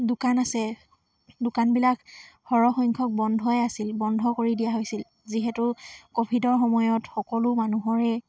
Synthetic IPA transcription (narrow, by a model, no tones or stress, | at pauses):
dʊkanasɛ | dʊkanbilakhɔɹɔxɔjŋkʰɔk̚bɔndʱɔjɛasilbɔndʱɔkoɹidijaɦojsil | ziɦɛtʊkobʱidɔɹxɔmɔjɔtxɔkɔlʊmanuɦɔɹɛ